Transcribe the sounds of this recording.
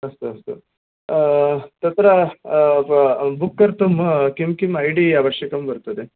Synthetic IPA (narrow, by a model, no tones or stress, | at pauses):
ɐst̪uɐst̪ṵ | t̪ɐt̪ɾɐ | bukːɐɾt̪umkimkimɐjɖiɐʋɐʂjɐkɐmbɐɾt̪ɐd̪e